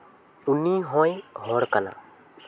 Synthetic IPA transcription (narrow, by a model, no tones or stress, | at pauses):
uniɦɔ̃jɦɔɾkana̰